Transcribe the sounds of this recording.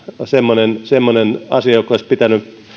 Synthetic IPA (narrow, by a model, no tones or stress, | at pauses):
semːonensemːonenɑsiɑjokːˑoispit̪æny